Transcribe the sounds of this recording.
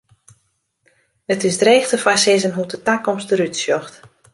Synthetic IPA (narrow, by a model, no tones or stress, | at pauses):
ətɪsdreːxtəfasɪzənɦutətakɔmstəɾytsjɔxt